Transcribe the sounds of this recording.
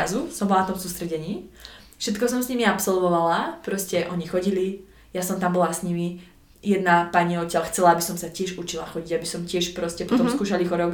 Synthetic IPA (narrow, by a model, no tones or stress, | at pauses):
azusɔmbɔlanat̪ɔmsuːst̪ɾɛɟɛɲiː | fʃɛt̪kɔsɔmsɲimiapsɔlʋɔʋalapɾɔscɛʔɔɲixɔɟili | jasɔmt̪ambɔlasɲimi | jɛd̪napaɲiɔcɪalxt͡sɛlaabisɔmsacɪɛʒut͡ʃilaxɔɟiɟabisɔmcɪɛʃpɾɔscɛpɔt̪ɔmmskuːʃalixɔɾɔɡ